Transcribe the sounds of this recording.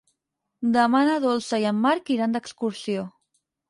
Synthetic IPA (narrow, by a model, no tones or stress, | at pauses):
d̪əmanəðolˠsəiəmːaɾkiɾand̪əkskuɾsio